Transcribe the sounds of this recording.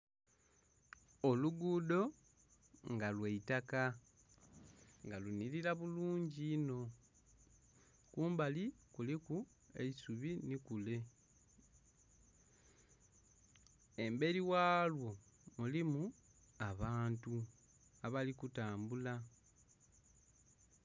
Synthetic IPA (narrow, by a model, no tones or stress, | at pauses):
o̞luɡuːdo̞ | ŋɡalweitaka | ŋɡaluniɾiɾaβuluːɲɟiːno̞ | kuːmbalikuliku | e̞̰isuβinikule̞ | e̞mbe̞ɾiwaːlwo̞ | mulimu | aβaːntu | aβalikutaːmbula